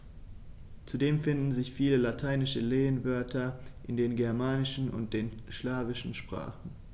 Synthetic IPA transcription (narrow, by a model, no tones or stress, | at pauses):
t͡sudeːmfɪndn̩zɪçfiːləlatʰaɪnɪʃəleːənvœɐtʰɐʔɪndeːnɡɛɐmaːnɪʃn̩ʊ̰nt̚d̥eːnʃlaːvɪʃn̩ʃpʁ̥a̰ːχn̩